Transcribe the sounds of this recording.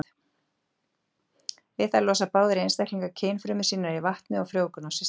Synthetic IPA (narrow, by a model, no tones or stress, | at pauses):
vɪðθalɔːsapaːwðʏɾejnst̪ajhkliŋkacʰeːjnfɾʏːmʏsiːnaɾivaht̪nʏawfɾjoːwkʏnawsɛ